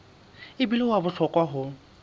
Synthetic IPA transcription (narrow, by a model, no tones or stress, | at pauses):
ɪbilɔwabʊɬʰɔkʼwaɦʊ